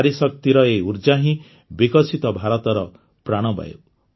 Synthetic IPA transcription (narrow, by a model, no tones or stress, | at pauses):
aɾisɔk̚t̪iɾɔeuɾd͡ʒaɦĩ | bikɔsit̪ɔbʱaɾɔt̪ɔɾɔ | pɾaɽ̃ɔba̰ju